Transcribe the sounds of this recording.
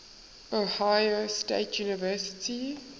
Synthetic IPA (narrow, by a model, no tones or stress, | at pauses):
ohajosteɪtʰjuːnɪvɜːsɪ̥tʰi